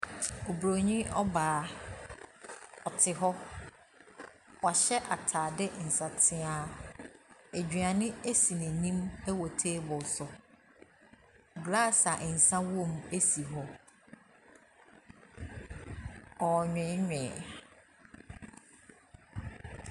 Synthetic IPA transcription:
o˨bɾo˨ɲĩ˦ɔ˦baː˨˦˨ | ɔ˨tʰɪ˨ɦɔ˦ | wa˨ɕɛ˦ʔa˨tʰaː˨dɪ˦n̩˨sa˨tʰɪ˦a˦ | æ˨d͡ʑᶣɥã˨nɪ̃˦e˦si˨nĩ˨nĩ˦mæ˦wo˨tʰeː˦bʊ˨sʊ˨ | ɡlaː˦˨sa˨ʔn̩˨sã˦wõ˦˨m˦e˦si˨ɦɔ˦ | ɔ˨ɲᶣɛ̃˨˦ɲᶣɛ̃˨

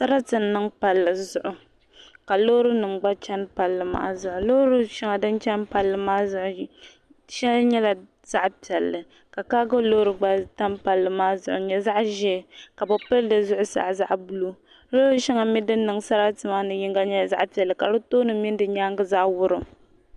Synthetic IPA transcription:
sa˦ɾa˦tɨ˨n˨nɨ˦ŋpa˨lːɨ˨zʊ˦ʔʊ˨ | ka˨lo˦ɾɨ˦nɨ˨mɡ͡ba˦t͡ʃɛ˦npa˨lːɨ˨ma̰˦zʊ˦ʔʊ˨lo˦ɾɨ˦ʃi˦ŋa˨dɨ˦nt͡ʃɛ˦npa˨lːɨ˨maː˦zʊ˦ʔʊ˨˦ | ʃɛ˦lɲɛ˦la˨ | z̥a˦ʔpi˨ɛ˨lːɨ˨ | ka˨kaː˦ɡɨ˦lo˦ɾɨ˨ɡ͡ba˦ta˦mpa˨lːɨ˨maː˦zʊ̰˨ʔʊ̰˨ɲɛ˦za˦ʔʒɛ˦˨ka˨bo˨pɨ˦ldɨ˨zʊ˦ʔʊ˦sa̰˨ʔza̰˦ʔbu˦lu˦ | loː˦ɾɨ˦ʃi˦ŋa˨mi˦dɨ˦nː˦ɨ˨ŋsa˦ɾa˦tɨ˨ma˦nɨ˨ji˦ŋɡa˦ɲɛ˦˨za̰˦ʔpi˨ɛ˨lːɨ˨ka˨lɨ˦toː˦nɨ˨mi˦n˦dɨ˨ɲaː˦ŋɡɨ˦za˦ʔwʊ˦ɾɨ˨

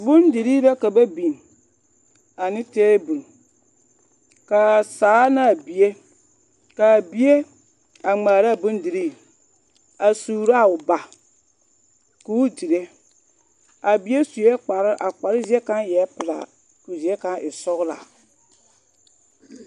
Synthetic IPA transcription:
bʊ˦ndi˨ɾi˦la˦ka˨ba˦bi˨n | a˨nɪ˦teː˦bu˨n˨ | ka˨saː˨˦na˦˨bi˨e˦ | ka˨bi˦e˦ | a˨ŋ͡maː˨ɾa˦˨bʊ˦n˦di˨ɾiː˦˨ | a˨suː˨ɾa˦˨ʊ˨ba˨ | ku˨˦di˨ɾe˦ | a˨bi˨˦e˦su˨je˦k͡pa˨ɾɪ˦ʔa˨k͡pa˨ɾɪ˦zi˦ɛ˦ka˦njɛ˨˦pɪ˨la̰˨ | ku˨zi˨ɛ˦ka˦ʔɪ˨sɔ˦ɣla̰˨

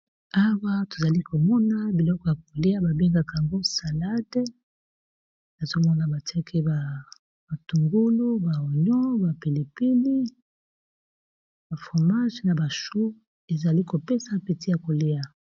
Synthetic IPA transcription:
a˦wa˦to̥˨za˨li˦kʰo˨mɔ˦na˦bi˨lɔ˦kɔ˨ja˨k̚o˨le˦ja˦ba˨be˦ŋɡa˦˨ka˨ja˨ŋɡo˦sa˨la˦d | na˨zo˦mɔ˦na˨ba˨ti˦a˦ki˦ba˨ | ba˨tu˨ŋɡu˦lu˦ba˨o˨ɲɔ˦ba˨pi˨le˨pi˦li˦ | ba˨fʁo˨ma˦ʒna˨ba˨ʃu˦ | e˨za˨li˦ko˨pe˦sa˦pi˨ti˦ja˨ko˨le˦ja˨

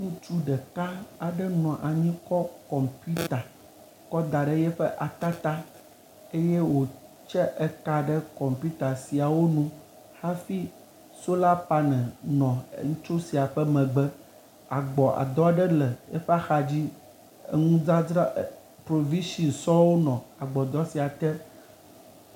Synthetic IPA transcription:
ŋũ˦t͡ʃu˦ɖə˨ka˦a˨ɖə˦nɔ̃˨ʔa˨ɲĩ˦kɔ˦kɔ˨mpi˦t̪a˨ | kɔ˦d̪a˨ɖə˦jɛ˦ɸə˦ʔa˨t̪a˦t̪a˦ | e˦je˦wo˨ | t͡ʃɛ˦ʔɛ˦ka˦ɖə˦kɔ˨mpi˦t̪a˨si˨a˨wo˦nũ˦ | ha˦fi˦ | so˦la˦pa˦nɛ̃˨nɔ̰̃˨˦ŋũ˦t͡ʃo˦si˨a˨ɸɛ˦mɛ̃˨ɡ͡bɛ˦ | a˨ɡ͡bɔ˨ʔa̰˨d̪ɔ˦a˦˨ɖɛ˦lɛ˨jɛ̰˦ɸɛ˦a˦xa˨d͡ʑḭ˦˨ | ŋũ˦d͡za˦d͡zɾa˦ | pɾo˨vi˦ʃi˨nsɔ˦wo˦nɔ̃˨a˨ɡ͡bɔ˨d̪ɔ˦si˨a˨t̪ɛ˦

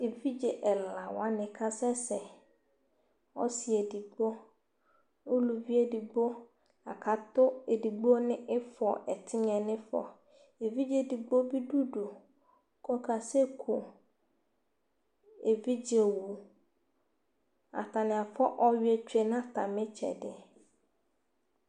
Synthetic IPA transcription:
e˨vi˦d͡ʒɛ˨ʔɛ˨la˨wa˦nɪ̃˨kʰa˦sɛ˦sɛ˨ | ɔ̰˦si˨ɛ˨di˨ɡ͡bo˦ | o˦lu˨vi˦e˦di˨ɡ͡bo˦ | a̰˨kʰa˨tʊ˦e˨di˨ɡ͡bo˦nɪ̃˦ʔɪ˦fɔ˨ʔɛ˨tʰɪ˦ɲ˦ɛ̃˨nɪ̃˦fɔ̰˨ | e˨vi˦d͡ʑe˦di˨ɡ͡bo˦bi˦du˦du˨ | kʰɔ˦kʰa˨se˦kʰu˨ | e˨vi˦d͡ʑe˨wu˨ | a̰˨tʰa˨nɪ̃˨a˨fɔ˦ʔɔ˦ɥe˨t͡ɕᶣe˨nã˦˨tʰã˨mɪ̃˦t͡ʃʰɛ̰˨dɪ˦

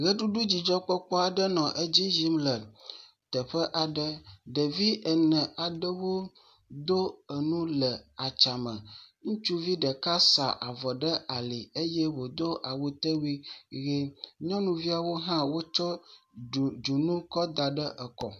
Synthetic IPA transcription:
ɣə˦ɖu˦ɖu˦d͡ʑi˨d͡ʒɔ˦k͡pɔ˦k͡pɔ˦a˨ɖə˦nɔ̃˨ʔe˦d͡ʑi˦ʒi˦mlɛ˨n | t̪ə˨ɸə˦ʔa˨ɖə˦ɖə˨vi˦ə˨nɛ̃˨a˨ɖə˦wo˦ | d̪o˦ə˨nũ˦lə˨a˨t͡ʃa˨mə̃˨ŋũ˦t͡ʃu˦vi˦ɖə˨ka˦sa̰˨ʔa̰˨vɔ˨ɖə˦a˨li˨e˦jɛ˦wo˨d̪o˦ʔa˨wo˦t̪ə˦wi˦ɣe˦ɲɔ̃˦nũ˨vi˦a˨wo˦ɦã˦wo˦t͡ʃɔ˦˨ | d͡ʒu˨nũ˦kɔ˦d̪a˨ɖə˦ʔə˨kɔ˨

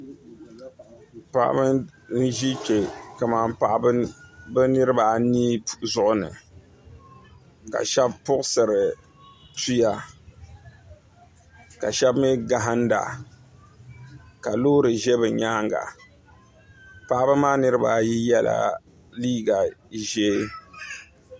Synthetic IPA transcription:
pa̰˨ʔa̰˦bɨ˦nn̩˦ʒi˦t͡ʃe˨ka˨maː˨mpa˨ʔbɨ˦bɨ˦nɨ˦ɾɨ˦ba˨niː˦zʊ˨ʔʊ˨nɨ̰˨ | ka̰˨ʃɛ˦bpʊ˦ʔʊ˦sɨ˨ɾɨ˨ | ti˦ja˨ | ka̰˨ʃɛ˦bmi˦ɡa˨ɦa˦nda̰˨ | ka˨loː˦ɾɨ˨ʒe˦bɨ˨ɲaː˦ŋɡa̰˨ | pa˨ʔbɨ˦maː˦nɨ˦ɾɨ˦ba˨ji˦jɛ˦la̰˦ | liː˦ɡa˨ʒe˦

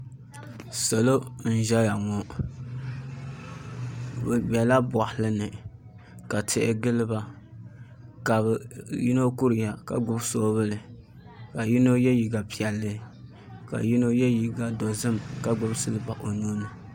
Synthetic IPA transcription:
sa˨lo˦n̩˦ʒɛ˦ja˨ŋɔ˨ | bbɛ˨la˦bʊ˨a˨hlɨ˦nɨ˨ | ka˨tɪ˦ʔɪ˦ɡɨ˦lɨ˦ba˦ | ka˨bji˦no˦ku˦ɾɨ˨ja˨ka̰˨ɡʊ˦bso˦βɨ˦lɨ˨ | ka˨ji˦no˦jɛ˦ji˨ɡa˨pi˨ɛ˨lːɨ˦ | ka̰˨ji˦no˦jɛ˦ji˨ɡa˨do˨zɨ˦mka˦ɡʊ˦bsɨ˦lɨ˦ba˨ʔo˨nu˦nɨ˨

